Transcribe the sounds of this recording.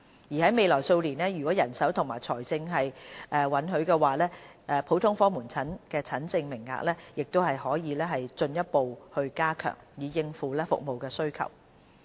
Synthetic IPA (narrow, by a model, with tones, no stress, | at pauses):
jiː˨˩hɐ˨˥jme˨˧jlɔː˨˩jso˧wliː˨˩nɛː˥jyː˨˩kɔ˨˥jɐ˨˩nsɐ˨˥wt̪ʰʊ˨˩ŋmaː˨˩jt͡sʰɔː˨˩jt͡sɪ˧ŋɦɐ˨jʔɛː˨˧wɐ˨˥nɦɵ˨˧ɥkɛː˧waː˨lɛː˥ | ʔɛ˧pʰo˨˥wt̪ʰʊ˥ŋfɔː˥muː˨˩nt͡sʰɐ˨˥nkɛː˧t͡sʰɐ˨˥nt͡sɪ˧ŋmɪ˨˩ŋːa̰ː˨k̚lɛː˥jɪ˨k̚t̪o˥whɐ˨jhɔː˨˥jiː˨˧lɛː˥ɦɐ˨jt͡sɵ˧njɐ˥t̚po˨whɵ˧ɥkaː˥kʰœ̰ː˨˩ŋjiː˨˧jɪ˧ŋfuː˨˧lɛː˥fʊ̰˨k̚mo˨wkɛː˧sɵ˥ɥkʰɐ̰˨˩w